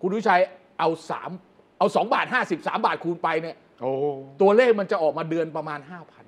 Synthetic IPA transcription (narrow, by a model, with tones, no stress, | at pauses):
kʰu˧nwi˥˩t͡ɕʰaː˧j | ʔa˧wsa̰ː˩˦m | ʔa˧wsɔː˩˦ŋbaː˨˩t̪̚haː˥˩si˨˩p̚saː˩˦mbaː˨˩t̪̚kʰuː˧npa˧jni˥˩ɐ | ʔoː˨˧t̪u˧ɐleː˥˩k̚ma˧nt͡ɕa˨˩ʔɔː˨˩k̚maː˧dɯ˧ənpɾa˧maː˧nɦaː˥˩pʰa˧n